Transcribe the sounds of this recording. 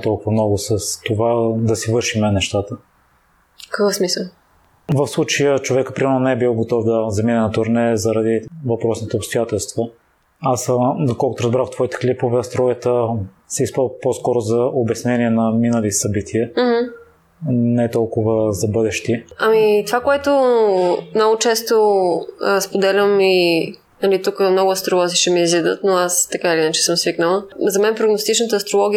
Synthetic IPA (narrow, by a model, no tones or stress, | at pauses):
t̪ɔlˠkʊvɐmnɔɡʊsəst̪ovad̪ɐsivɤɾʃimɛnɛʃt̪at̪ə | fkəkɤfsmisəlˠ | vɐfslˠut͡ʃɐjət͡ʃovɛkəpɾimɛɾnʊnɛɛbilˠɡot̪ɔvd̪ɐzɐminɛnɐt̪ʊɾnɛzɐɾɐd̪ivɐpɾɔsnit̪ɛopst̪ojat̪ɛlˠst̪və | asd̪okɔlˠkʊt̪ʊɾɐzbɾaft̪vɔit̪ɛ̥klipovɛɐst̪ɾɔɡət̪ə | sɛispɾəposkɔɾʊzɐobɛsnɛniɛnɐminəlisɐbit̪ʰiəmh̩ | nɛt̪ɔlˠkʊvəzɐbɤd̪ɛʃt̪iɐmit̪ovakoɛt̪ʊ | mnɔɡʊt͡ʃɛst̪o | spod̪ɛlʲəmi | nɐlit̪ukmnɔɡʊɐst̪ɾolˠɔziʃɛmiːzid̪ət̪noast̪ɐkailiinət͡ʃɛ̥səmsviknəlˠəzɐmɛnpɾoɡnost̪it͡ʃnət̪əːst̪ɾolˠɔɡʲi